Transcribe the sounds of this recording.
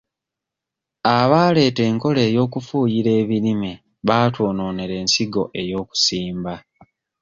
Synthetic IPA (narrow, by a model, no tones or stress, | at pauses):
aβaːle̞ːte̞ːŋko̞le̞ːjo̞ːkufuːjiɾe̞ːβiɾime | βaːtoːno̞ːneɾe̞ːnsiɡo̞ʔe̞jo̞ːku̥siːmba